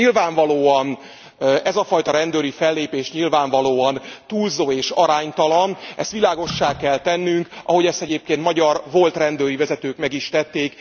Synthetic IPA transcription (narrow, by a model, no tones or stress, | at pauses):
ilvaːɱvɒloːɒn | ɛzɒfɒjt̪ɒɾɛnd̪øːɾifɛlːeːpeːʃɲilvaːɱvɒloːɒnt̪uːlzoːeːʃɒɾaːɲt̪ɒlɒnʔɛ̰st̪ʋilaːɡo̞ʃːaːkɛlt̪ɛnːyŋkʔɒɦo̞ɟɛst̪ɛɟeːp̚keːnt̪mɒɟɒrvo̞lt̪rɛnd̪øːɾivɛzɛt̪øːkmɛɡiʃt̪ɛt̪ːeːk